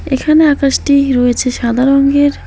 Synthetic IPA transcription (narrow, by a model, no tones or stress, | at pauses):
ekʰaneakaʃʈiɾoet͡ɕʰeʃad̪ʱaɾoŋɡeɾ